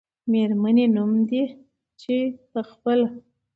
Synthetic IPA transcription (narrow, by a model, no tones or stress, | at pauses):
meɾmanenumd̪i | t͡ʃepəxpəla